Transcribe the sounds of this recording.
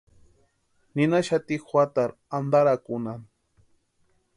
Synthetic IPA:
nɪnaʃat̪ixwat̪aɾ | and̪aɾakʊnan

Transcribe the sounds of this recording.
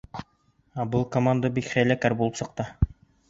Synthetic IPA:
æbɤlˠkomand̪əbikχæjlækæɾbulˠɤpsɤ̆q̚t̪ɤ

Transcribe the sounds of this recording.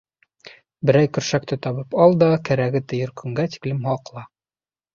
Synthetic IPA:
bɘ̆ɾæjkɵ̆ɾʃæk̚t̪ɘt̪ɒβɤpɑlˠd̪ɑkæɾæɡɘt̪ɘ̆jɘɾkʰɵ̆ŋɡæt̪i̥klɘmhɑqlˠɑ

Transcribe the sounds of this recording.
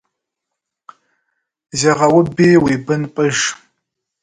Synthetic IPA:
zeʁɐwʊbeːweːbɨnpʼɨʒ

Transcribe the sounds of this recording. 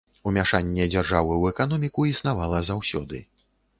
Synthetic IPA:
umʲaʂanʲːɛd͡zʲarʐavɨwɛkanɔmʲikuisnavalˠɐzawsʲɔd̪ɨ̰

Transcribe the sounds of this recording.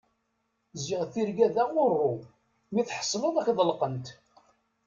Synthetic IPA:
zɪʁθiɾɡæðæʁʊrˤːʊ | miθħə̥sˤːləðˤækðˤəlqənt̪

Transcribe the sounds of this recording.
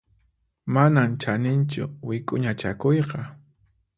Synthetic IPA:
manamt͡ʃanɪnt͡ʃʊ̰wɪkʼʊɲat͡ʃa̰kojqɑ

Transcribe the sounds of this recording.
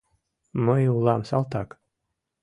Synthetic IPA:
mɔjuːlˠaːmsalˠt̪aːk

